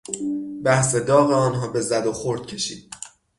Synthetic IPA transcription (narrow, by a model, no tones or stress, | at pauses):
bæhse̞d̪ɒːɣeɒːnɦɒːbe̞zæd̪oxoɾd̪̥̚cʰe̞ʃḭːd̪̥̚